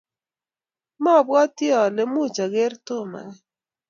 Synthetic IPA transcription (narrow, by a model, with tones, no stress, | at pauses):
mɔ˦˨bwɔ˦tjɔ˨le˨mu˦˨t͡ʃa˨ɡe˦rto˦˨ma̰˨ŋɛ˦